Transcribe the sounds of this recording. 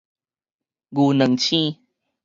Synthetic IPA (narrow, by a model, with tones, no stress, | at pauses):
ɡu˨˩nə˨˩˦ŋt͡ɕʰĩ˦